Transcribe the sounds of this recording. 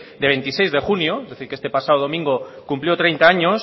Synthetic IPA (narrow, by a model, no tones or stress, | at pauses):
d̪eβ̞e̞nt̪isejzðexunjoezðeθiɾkest̪e̞pasaðoð̞o̞mĩŋɡokumpljot̪ɾejnt̪aaɲos